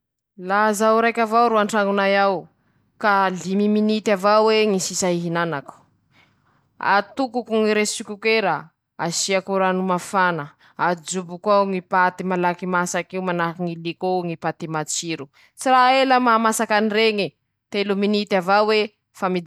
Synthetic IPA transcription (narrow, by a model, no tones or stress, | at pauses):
lazaɾajkʲavawɾuaɳʈ͡ʂaŋunajaw | kalimiminit̪avaweŋisisaiɦinanaku̥ | a̰t̪ukukuŋiɾesikʲukeɾa | asiakuɾanumafanə | ad͡ʒubukwaŋipat̪imalakimasakiwmanakiŋilikoŋipat̪imat͡siɾu | t͡siɾaeləmamasakanireŋi | t̪eluminit̪avawe | famid̪